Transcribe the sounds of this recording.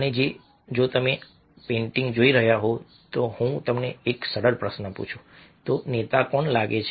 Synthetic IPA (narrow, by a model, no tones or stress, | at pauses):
əned͡ʒe | d͡ʒot̪əme | pẽɳʈĩŋɡd͡ʒoiɾəɦjaɦo | t̪ohũt̪əmneːksəɽəɾpɾəsnəpṵt͡ʃʰũ | t̪onet̪apəɳlaɡet͡ʃʰ